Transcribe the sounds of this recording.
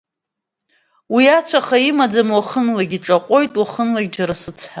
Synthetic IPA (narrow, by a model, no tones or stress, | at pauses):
wiat͡sʷʰaχaimad͡zamwaχənlaɡʲiʈ͡ʂʼaqʷʼo̞jtʼwaχənlaɡʲd͡ʒaɾasɨt͡sʰħa